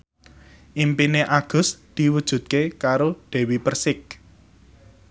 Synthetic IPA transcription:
ʔimpineʔaɡ̥ʊ̤sd̪̥i̤wud̥ʒ̥ṳt̪̚kekaɾoɖ̪̥ɛ̤wipərsɪk̚

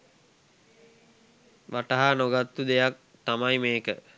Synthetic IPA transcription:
ʋaʈaɦanoɡat̪ːud̪ejak̚ | t̪amajmeːkə̰

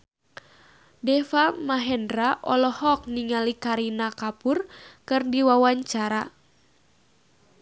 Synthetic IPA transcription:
dɛfamaɦɛndɾaʔɔlɔhɔk̚niŋalikaɾinakapʊrkɨrdiwawaɲt͡ʃaɾa

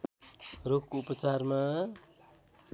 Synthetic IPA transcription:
rokoupʌt͡sarma

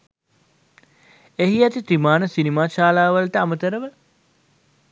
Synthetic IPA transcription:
eɦiat̪it̪ɾimaːnəsinimaːʃaːlaːʋəlt̪əamət̪əɾəʋə

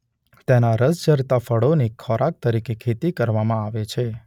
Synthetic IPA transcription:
t̪enaɾəsd͡ʒəɾt̪afəɽonikʰɔɾak̚t̪əɾikekʰet̪ikəɾʋamãaʋet͡ʃʰe

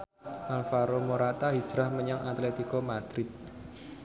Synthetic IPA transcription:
ʔalfaɾomoɾat̪aɦid̥d͡ʒ̥ɾahməɲaŋat̪let̪ikɔmad̪̥ɾɪt̪̚

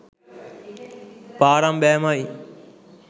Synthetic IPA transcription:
paːɾãːmɓɛːmaːi

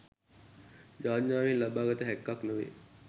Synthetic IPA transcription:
d͡ʒaːɲːaːʋinlabaːɡət̪əɦɛkːaknəʋḛ

